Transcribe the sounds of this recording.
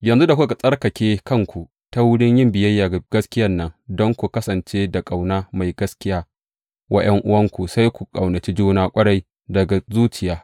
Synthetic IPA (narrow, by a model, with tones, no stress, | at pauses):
jɐ˨nzu˦da˨kʷu˦ka˨sʼɐ˦rkɐ˨kʲeː˦kɐ˦ŋkʷu˨ | ta˦wʊ˦ɽɪ˦ɲjɪ˦mbɪ˨jɐ˦jːaː˨ɡ̥ɐ˦skʲɪ˦jɐ˦nːɐ˦ŋdɔ˦ŋkʷu˨kɐ˦sɐ˨nt͡ʃeː˦da˨kʼa˨wnaː˦ma˨jɡɐ˦skʲɪ˦jaː˦ | wɐ˦ʔɐ˦ŋʔʊ˦wɐ˦ŋkʷu˨sa˦jkʷu˨kʼa̰˨wnɐ˨t͡ʃi˦d͡ʒuː˦naː˦kʷʼɐ˦ɽa˦j | dɐ˨ɡa˨zuː˦t͡ʃɪ˨jaː˦